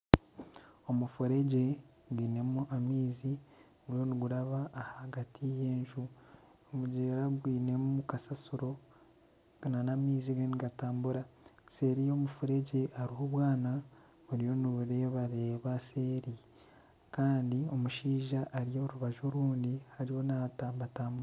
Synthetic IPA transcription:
o̞mufuɾe̞ɟe̞ | ɡwiːne̞muʔamiːzi | uɾjo̞niɡuɾaβaːhaɡatʰije̞ːɲʒu | omuɟeːɾaɡwiːne̞muukasasuɾo̞ | nanamiːziɡeniɡataːmbuɾase̞ɾijo̞ːmufuɾe̞ɟe̞aɾiɦo̞βwaːna | βuɾijo̞niβuɾe̞ːβaɾe̞ːβase̞ːɾi | kaːndio̞muʃiːʒaʔːɾijo̞ɾuβaʒo̞ɾuːndihaɾiho̞natabataːmbuɾa

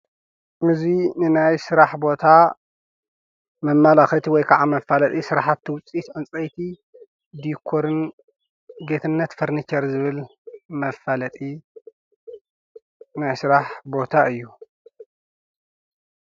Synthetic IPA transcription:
ʔɨzinɨnajsɨɾaħbo̞t̪ʰa | mɐmːalaxɐt̪ʰiwɔjkʰɐʕamɐfːalɐt̪ʼisɨɾaħat̪ʰːɨwʊt͡sʼːit̪ʕɨnt͡sʼɐjt̪ʰi | d̪ikʰoɾɨn | ɡe̞t̪ʰɨnːɐt̪fɨɾnit͡ʃɐɾzɨβɨlmɐfalɐt̪ʼi | najsɨɾaħbo̞t̪ʰaʔɨjːu

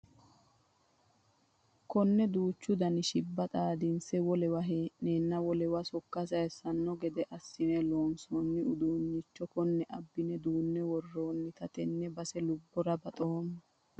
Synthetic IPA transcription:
kɔnːɛd̪uːt͡ʃːʊd̪ɐnɪʃɪbːɐt̪ʼaːd̪ɪnsɛwɔlɛwɐɦeʔneːnːɐwɔlɛwɐsɔkːɐsɐjɛsɐnːɔɡɛd̪ɛʔɐsːɪmɛloːnsɔːnːɪʊd̪uːɲːɪt͡ʃːɔkɔnːɛʔɐbːɪnɛd̪uːnːɛwɔrːoːnːɪt̪ɐt̪ɛnːɛbɐsɛlʊbːɔɾɐbɐt̪ʼoːnɐ

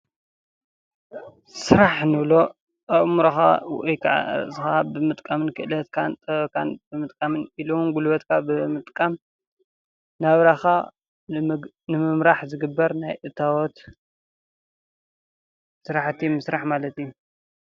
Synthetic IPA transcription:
sɨɾaħnɨβlo̞ | ʔɐʔmuɾɐxa̰wʔjkʰa̰ʕa̰ɾʔsɨxabɨmɨt̪ʼkʼamɨnkʰɨʔlɐt̪kʰant̪ʼɐkʰanbɨmɨt̪ʼkʼamɨniluunɡulbɐt̪kʰabɨmɨt̪ʼkʼam | naβɾaxa | nɨmɨmɾaħzɨɡɨbːɐɾnajʔɨt̪ʰawot̪ | sɨɾaħt̪ʰimɨsɾaħmalɐt̪iju

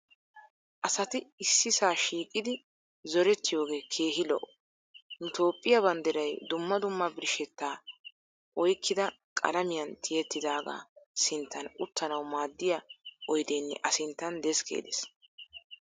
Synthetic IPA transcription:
ʔɐsɐt̪ɪɪsːɪsaːʃiːkʼɪd̪ɪ | zɔɾɛt̪ːɪjo̞ːɡe̞ːkʰe̞ːɦɪlɔ̰ʔɔ | nʊt̪o̞ːpʼːɪjɐbɐnd̪ɛɾɐjd̪ʊmːɐd̪ʊmːɐbɪɾɪʃɛt̪ːaː | ʔɔjkʰːɪd̪ɐ | kʼɐ̰lɐmɪjɐnt̪ʰɪjɛt̪ːɪd̪aːɡa̰ːsɪnt̪ʰːɐnʊt̪ːɐnɐwmaːd̪ːɪjɐʔɔjd̪eːnːɛ̰ʔɐsɪnt̪ːɐnd̪ɛskʰḛːd̪ɛs

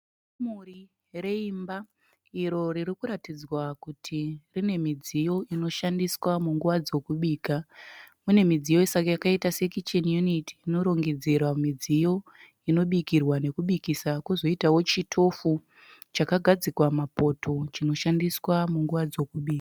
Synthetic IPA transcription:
muri | re̞imba | iɾo̞ɾiɾikuɾatid͡zwakutʰirine̞mid͡zijo̞ino̞ʃandiswamuŋɡuʋad͡zo̞kuɓiːkamune̞mid͡zijo̞isakjakaitase̞kit͡ʃonjunitiino̞ɾo̞ŋɡe̞d͡zerwamid͡zijo̞ | ino̞ɓikirwane̞kuɓikisakuzo̞itawo̞t͡ʃitʰo̞fu | t͡ʃakaɡʱad͡zikwamapo̞tʰo̞t͡ʃino̞ʃandiswamuŋɡuʋad͡zo̞kuɓiːka

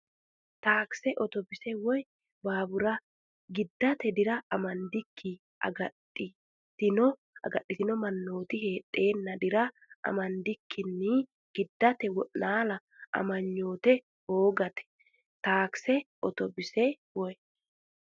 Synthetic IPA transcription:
t̪aːksɛʔɔt̪ɔbɪsɛwɔj | baːbʊɾɐ | ɡɪd̪ːɐt̪ɛd̪ɪɾɐɐmɐnd̪ɪkʰːi | ɐ̰ɡɐtːɪ | t̪ɪnɔ | ɐ̰ɡɐʔːɪt̪ɪnɔmɐnːo̞ːt̪ɪhe̞ːtʼːe̞ːnːɐd̪ɪɾɐ | ʔɐ̰mɐnd̪ɪkʰːɪnːɪ | ɡ̥ɪd̪ːɐt̪ɛwɔʔnaːlɐ | ʔɐ̰mɐɲːo̞ːt̪ɛ | hoːɡɐt̪ɛ̥ | t̪aːksɛʔɔt̪ɔbɪsɛwɔj

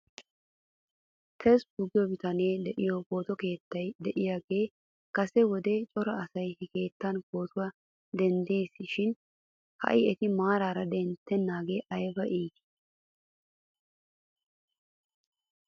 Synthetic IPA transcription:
k̪ʰɛsbʊɡɪjɔbɪt̪ɐneːd̪ɛʔɪjɔko̞ːt̪ɔke̞ːt̪ːɐjd̪ɛʔɪjaːɡe̞ː | kɐsɛwɔd̪et͡ʃʼɔɾɐɐsɐjhɪke̞ːt̪ːɐnko̞ːt̪ʊwɐ | d̪ɛnd̪e̞ːsːɪʃɪn | hɐ̰ʔɪɛt̪ɪmaːɾaːɾɐd̪ɛnt̪ːɛnːaːɡeʔɐjbɐʔiːd̪ɪ̥

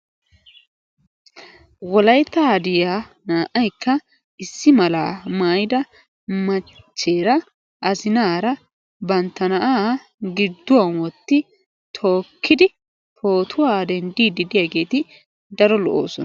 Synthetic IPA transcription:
wɔlɐjt̪ːɐd̪ɪjaː | naːʔɐjkːɐ | ɪsːɪmɐlaːmaːjɪd̪ɐ | mɐ | t͡ʃːe̞ːɾɐ | ʔɐzɪnaːɾɐ | bɐnt̪ːɐnɐʔaː | ɡɪd̪ːʊwɐnwɔt̪ːɪ | t̪ʰo̞ːkːɪd̪ɪ | pʰo̞ːt̪ʰʊwaːd̪ɛnd̪iːd̪ɪd̪ɪjaɡe̞ːt̪ɪ | d̪ɐɾɔlɔʔo̰ːsɔn

